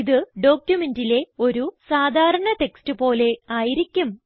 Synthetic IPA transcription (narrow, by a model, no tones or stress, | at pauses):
iðɨɖo̞ːkʲjume̞ndile̞o̞ɾusaːd̪ʱaːɾɐɳɐt̪e̞kstɨpo̞ːle̞aːjiɾikʲːum